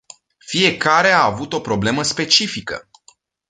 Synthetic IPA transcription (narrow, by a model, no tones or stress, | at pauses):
fie̞kaɾe̞aːvut̪o̞pɾo̞ble̞məspe̞t͡ʃifikə̰